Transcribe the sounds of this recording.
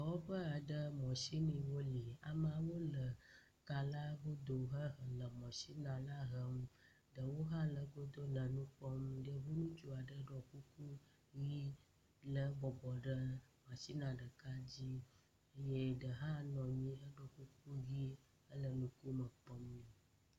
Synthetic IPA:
ɔ˨wɔ˦ɸə˦a˨ɖə˦mɔ̃˨si˦nĩ˨wo˦li˨a˨mə˦a˨wo˦lə˨ | ka˨la˦wo˦d̪o˨ɦə˦ɦə˨lə˨mɔ̃˨si˦nã˨la˦ɦə˦m | ɖə˨wo˦ɦã˦lə˨ɡo˦d̪o˦lə˨nũ˦k͡pɔ˦mɖə˨ɦu˦nũ˦t͡ʃu˦a˨ɖə˦ɖɔ˨ku˦ku˦ | ji˦ | lə˨bɔ˨bɔ˨ɖə˦mã˨si˦nã˨ɖə˨ka˦d͡ʑi˦ | ə˦je˦ɖə˨ɦã˦nɔ̃˨ɲĩ˦ə˦ɖɔ˨ku˦k̚u˦ɣi˦ | ə˦lə˨nũ˦ku˦mə˨pɔ˦mnĩ˦˨

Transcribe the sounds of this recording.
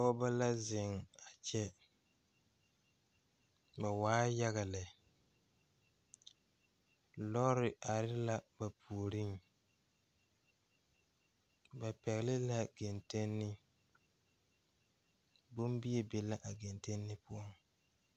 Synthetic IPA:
ɔ˦ba˦la˦zɪ˨ŋa˨t͡ʃɛ˦ | ba˨waː˦ja˦ɣa˨lɪ˨ | lɔ˦ɾɪ˨ʔa˨ɾɪ˦la˦ba˨pʰu˨o˨ɾi˦ŋ | ba˨pɛ˨ɣɪ˨lɪ˦la˦ɡe˨nte˦nːɪ˦ | bʊ˦mbi˦ɛ˨be˨la˦ʔa˨ɡe˨nte˦nːɪ˦pʊ˦ɔ˦˨ŋ

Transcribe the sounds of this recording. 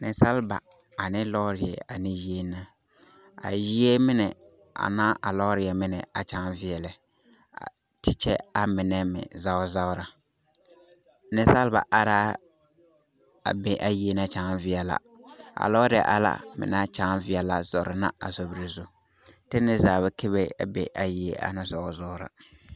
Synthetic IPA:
nɪ˨sa˦lba˨a˨nɪ˦lɔ˦ɾɪ˨jɛ̰˨a˨nɪ˦ji˦e˦na˦ | a̰˨ji˦e˦mɪ˦nɛ˨a̰˨nãː˦ʔa˨lɔ˦ɾɪ˨jɛ˨mɪ˦nɛ˨a̰˨t͡ʃa˨ŋvɪ˦ɛ˨lɛ˨a̰˨tɪ˦t͡ʃɛ˦a˨mɪ˨nɛ˦mɪ̰˨za˦ʊ˦za˦ʊ˦ɾa˨ | nɪ˦sa˦lba̰˨ʔa˦ɾaː˦ | a̰˨be˨ʔa˨ji˨e˨na˦t͡ʃa˨˦ŋ˦vɪ˦ɛ˨la̰˦a̰˨lɔ˦ɾɪ˨ɛ̰˨ʔa̰˨la̰˦mɪ̰˨na˦t͡ʃa˦nvɪ˦ɛ˨la˨zɔ˨ɾɪ˨na̰˦a˨zo˨bi˨ɾi˨zu˦tɪ˦nɪ˦zaː˨bɛ˨kʰɪ˦βɛ˦a̰˨be˨ʔa˨ji˨e˦ʔa̰˨na˦za˨˦ʊ˨zɔ˦ʊ˦ɾa̰˨

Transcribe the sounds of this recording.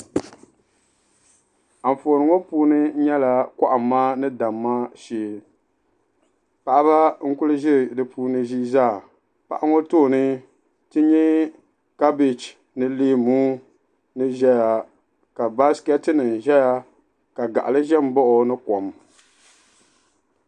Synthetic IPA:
a˨ɱ˨foː˨nɨ˨ŋo˦puː˦nɨ˦ɲɛ˦la˨ka˦ʔa˨mː˨aː˦nɨ˦da˨mːaː˦ʃeː˨l | pa˨ʔa˦ba˦ŋ̩˦kʊ˦lɨ˦ʒɪ˦ɾdɨ˨puː˦nɨ˦ʒi˦zaː˦˨ | pa̰˨ʔa˦ŋo˦toː˦˨nɨ˦ | tɨ˦ɲɛ˦ | ka˦bɪ˨t͡ʃ | nɨ˦leː˦muː˦ | nɨ˦ʒɛ˦ja˨ | ka˨ba˦skɛ˦tɨ˦nɨ˨n˨ʒɛ˦ja˦ | ka˨ɡa̰˨ʔa˨lɨ˦ʒɛ˦m˦bɔ˦ʔʊ˨nɨ˦kɔ˨m

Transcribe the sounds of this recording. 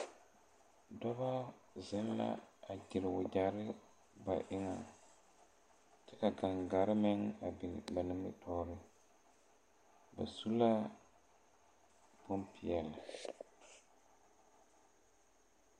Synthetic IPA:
dɔ˦ba˦ | zɪ˦nla̰˦a˨d͡ʒɪ˨lɪ˨wʊ˨d͡ʒa˨ɾɪ˦ | ba̰˨ʔɪ˦ŋa˨ | t͡ʃɛ˦ka˨ɡa˨ŋɡa˨ɾɪ˦mɪ˦ŋa˨bɪ˨la˨nɪ˦mɪ̰˦tʰɔː˦ɾɪ˦ | ba̰˨su˦la˦ | po˦mpɪ˨jɛ˨lɪ˨

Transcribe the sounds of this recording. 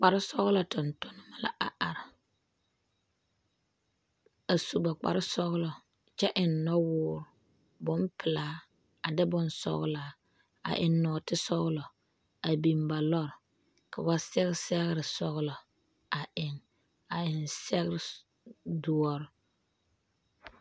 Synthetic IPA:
k͡pa˨ɾɪ˦sɔ˦ɣlɔ˨tʊ˨ntʊ˦nɪ˦ma˦la̰˦ʔa˨ʔa˨ɾɪ˨ | a˨su˨ba˨k͡pa̰˨ɾɪ˦sɔ˦ɣlɔ˨ | t͡ʃɛ˦ʔɪ˨nːɔ˦wʊː˦ɾʊ˨ | bʊ˦mpʰɪ˨laː˦ | a˨dɪ˦bʊ˦nsɔ̰˦ɣ̰laː˨˦ | a̰˨ʔɪ˨nːɔː˨tɪ˦sɔ˦ɣlɔ˨ | a˨bi˨mba˨lɔ˦˨ɾ | ka˨ba˦sɛ˦ɣsɛ˦ɣɾɪ˨sɔ˦ɣlɔ˨ | a˨ʔɪ˨ŋ | a˨ɪ˨nsɛ˦ɣɪ˦ɾɪ˨ | du˨ɔ˦ɾ

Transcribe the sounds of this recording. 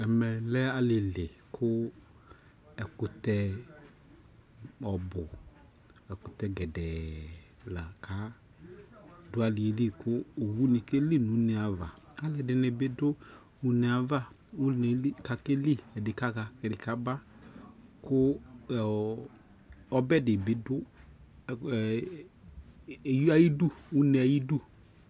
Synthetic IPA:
ɛ˨mɛ˨lɛ˦a˨lɪ˨lɪ˨kʰʊ˦ | ɛ˨kʊ˨tɛ˧ | ɔ˨bʊ˨ | ɛ˨kʊ˨t̪ɛ˨ɡɛ˨dɛ˨ | la˨kʰa˨˦ | dʊ˦a˨lɪ˨e˨li˦kʊː˦˨wu˦nɪ˨ke˦li˦nu˨˦nɪ˨a˨va̰˨a˦lɛ˨dɪ˨nɪ˨bɪ˦dʊ˦ | ʊ˦nɪ˨a˨va˦˨ | ʊ˦n˨˦ka˨ke˦li˦˨ɛ˨dɪ˨ka˦ɣa˨kɛ˨dɪ˨ka˦ba˦ | kʊ˦˨ | ɔ˦bɛ˦dɪ˨bɪ˦dʊ˦˨ | ja˦ji˦du˦˨ʊ˦nɛ˨˦a˨ji˦du˦˨

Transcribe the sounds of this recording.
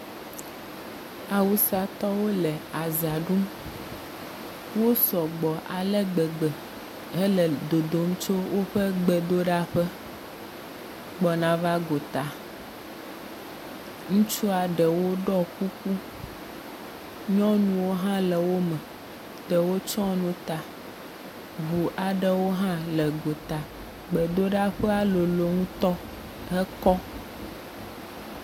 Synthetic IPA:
a˨wu˨sa˨t̪ɔ˦wo˦lɛ˨a˨za˨ɖu˦m | wo˦sɔ˨ɡ͡bɔ˨ʔa̰˨lɛ˦ɡ͡bɛ˨ɡ͡bɛ˨ | ɦɛ˦lɛ˨d̪o˨d̪o˨m˦t͡ʃo˦wo˦ɸə˦ɡ͡bɛ˨d̪o˦ɖa˦ɸə˦ | ɡ͡bɔ˨nã˦va˦ɡo˨t̪a˨ | ŋũ˦t͡ʃu˦a˨ɖə˨wo˦ɖɔ˦ku˦ku˦ | ɲɔ̃˦nũ˨wo˦ɦã˦lə˨wo˦mɛ̃˨ | t̪ə˨wo˦t͡ʃɔ̃˦nũ˦t̪a˨ | βu˨ʔa˨ɖə˦wo˦ɦã˦lə˨ɡo˨t̪a˨ | ɡ͡bə˨d̪o˦ɖa˦ɸə˦a˦lo˨lo˨ŋũ˦t̪ɔ˦ | ɦɛ˦kɔ˦

